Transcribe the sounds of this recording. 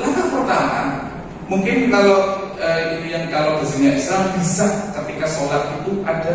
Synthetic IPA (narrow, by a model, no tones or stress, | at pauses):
lakapərt̪amaa̰ | muŋkɪnkaloəijaŋkalobəsiɲaʔislambisakət̪ikasolat̪̚it̪uʔada